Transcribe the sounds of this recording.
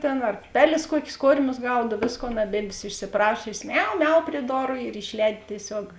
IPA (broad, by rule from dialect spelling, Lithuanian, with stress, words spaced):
ˈtʲeːn ɐr ˈpʲæːˌlʲeːs ˈkuɔkʲeːs ˈkoːrʲmʲʊs ˈɡɐʊt ˈʋʲeːsˌkoːn ɐˈbʲeːdʲʋʲeːs ɪʃʲsʲɪˈprɑːʃʲoːsʲeːs ˈmʲɛʊ ˈmʲɛʊ pʲrʲiɛ ˈdoːrʊ ɪr ɪʃʲˈlʲɛːdʲɪ tʲiɛˈsʲoːk